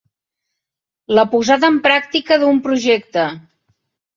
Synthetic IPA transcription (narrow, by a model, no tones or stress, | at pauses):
ləpuzaðəːmpɾak̚t̪ikəðumpɾuʒɛkt̪ə